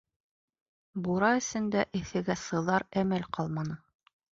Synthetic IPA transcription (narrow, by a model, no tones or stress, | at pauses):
buɾɑɘ̆sɘ̆nd̪æʔɘ̆θɘ̆ɡæsɤ̆ðɑɾæmælqɑlˠmɑnɤ